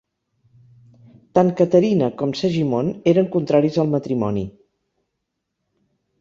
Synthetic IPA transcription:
t̪aŋkət̪əɾinəkɔmsəʒimoneɾəŋkunt̪ɾaɾizəlˠmət̪ɾimɔnḭ

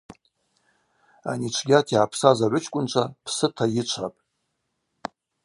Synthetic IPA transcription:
a̰nit͡ʃʷʰɡʲatʰiapʰsazaʕʷʊt͡ʃʰkʷʼʊnt͡ʃʷʰapʰsɨtʰajɪt͡ʃʷʰapʼ

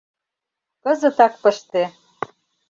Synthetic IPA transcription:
kɤ̆zɤ̆t̪ɑk̚pɤ̆ʃt̪e

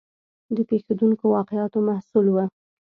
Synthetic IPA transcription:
d̪əpexed̪uŋkowɑqɪjɑt̪omahsulwə

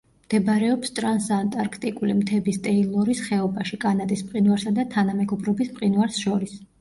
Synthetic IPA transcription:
md̪̥ɛbɾɛɔpst̪ʼɾansant̪ʼaɾkʰt̪ʼikʼulimt̪ʰɛbist̪ʼɛilˠɔɾisχɛɔbaʃikʼanad̪ismʼqʼinwaɾsad̪at̪ʰanamɛɡɔbɾɔbispqʼinwaɾsʃɔɾis

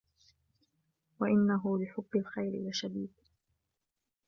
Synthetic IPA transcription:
waʔɪnːaɦʊlɪħʊbːɪlxajɾɪ̰waʃad̪iːb̪̚

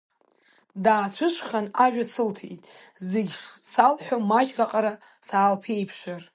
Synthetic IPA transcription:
daːt͡ʃʷʰʊʃʷχanaʒᶣat͡sʰɨltʰḛjtʼzeɡʲʂsalħʷᶣomat͡ʃʼɡaqʼaɾa | saːlpʰe̞jpʰʃʷar

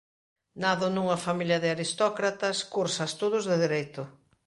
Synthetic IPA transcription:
naðʊnuŋɐfamiljɐðɪaɾist̪ɔkɾat̪ɐskuɾsɐst̪oð̞ʊzðɪðiɾejt̪ʊ

